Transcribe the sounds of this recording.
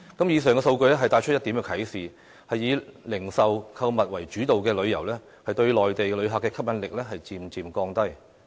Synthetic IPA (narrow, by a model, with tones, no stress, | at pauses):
kɐ˨˥mjiː˨˧s̬œː˨ŋkɛː˧so˧wkɵ˧ɥlɛː˥ɦɐ˨jt̪aː˧jt͡ʃʰɵ˥jɐ˥t̪i˨˥mkɛ˧kʰɐ˨˥jsiː˨ | hɐ˨jːiː˨˧lɪ˨˩ŋsɐ˨wkʰɐ˧wmɐ˨t̚wɐ˨˩jt͡ʃyː˨˥t̪o˨wkɛː˧lɵ˨˧ɥjɐ˨˩wlɛː˥ | hɐ˨jt̪ɵ˧ɥlɔː˨jt̪e˨jlɵ˨˧ɥɦaː˨˩kːɛː˧kʰɐ˥p̚jɐ˨˥nlɪ˨k̚lɛ˥ɦɐ˨jt͡siː˨˩mt͡siː˨mkɔː˧ŋt̪ɐ˥j